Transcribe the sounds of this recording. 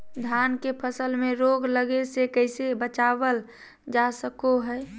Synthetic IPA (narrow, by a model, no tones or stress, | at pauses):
d̪ʱjankepʰəsəlmẽɾoɡləɡesekəɪsebət͡ʃabəl | d͡ʒasəkoɦɛː